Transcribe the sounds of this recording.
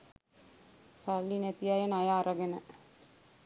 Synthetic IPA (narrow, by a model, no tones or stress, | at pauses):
salːinæt̪ijajenajaːɾəɡenə